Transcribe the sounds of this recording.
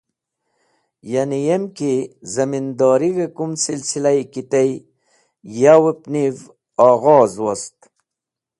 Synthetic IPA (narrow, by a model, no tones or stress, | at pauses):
janijemkizɐmind̪ɑːɾiɡekumsilsilajkit̪ej | jawepniv | ɑːɣɔːzwost̪